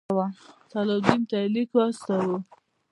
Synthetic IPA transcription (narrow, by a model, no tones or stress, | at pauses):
wat̪alad̪imt̪alikast̪awu